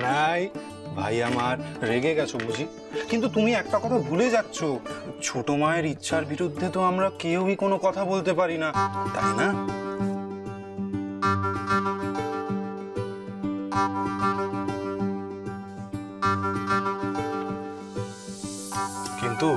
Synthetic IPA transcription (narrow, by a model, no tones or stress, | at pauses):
naj | bʱa̰jamaɾɾeɡeɡɛt͡ɕʰomud͡ʑi | kint̪̬ut̪umiɛk̚ʈakɔt̪ʰabʱuled͡ʑatːɕʰot͡ɕʰoʈomaeɾitːɕʰaɾbiɾud̪ʱːet̪oamɾakewikonokɔt̪ʰabolt̪epaɾinat̪a̰jna | kint̪u